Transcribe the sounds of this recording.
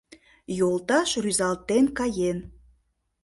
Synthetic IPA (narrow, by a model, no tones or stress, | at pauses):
jolˠt̪ɑʃryzɑlt̪enkɑjen